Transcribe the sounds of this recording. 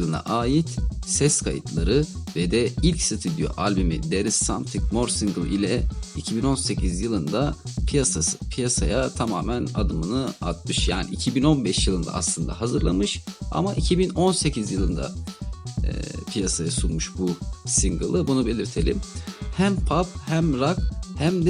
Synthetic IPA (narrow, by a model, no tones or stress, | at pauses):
lˠɯna̰ʔaːjit̪sɛskʰajɯt̪ʰlˠaɾɯvɛd̪ɛilʲcsit̪ʰid̪ijo̰ʔalʲbimḭd̪eɾisːamt̪ʰikmo̞ɾsiŋɡɯlˠilʲɛicʰibino̞nse̞cʰizjɯlˠɯnd̪apʰijasasɯ̥pʰijasajat̪ʰamaːmænad̪ɯmɯnɯa̰t̪̚mɯʃja̰ːnḭːcʰibino̞nbɛʃjɯlˠɯnd̪a̰ʔa̰slˠɯnd̪a̰ɦazɯɾlˠamɯʃa̰maʔicʰibino̞nse̞cʰizjɯlˠɯnd̪a̰ | pʰijasajasunmuʃbusiŋɡɯlˠɯbunube̞lʲiɾt̪ʰe̞lʲḭmhæmpʰap̚hæmɾakhæmd̪ɛ